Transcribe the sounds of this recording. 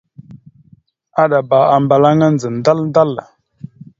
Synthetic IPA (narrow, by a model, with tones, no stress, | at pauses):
a˦ɗa˨ba˨a˨mba˨la˦ŋa˦n˨d͡zə˨n˨da˦lnda˦lːa̰˨